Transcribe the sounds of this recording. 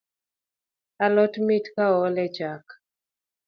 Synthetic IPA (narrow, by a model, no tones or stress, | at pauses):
alɔtmitkaɔlɛd͡ʒak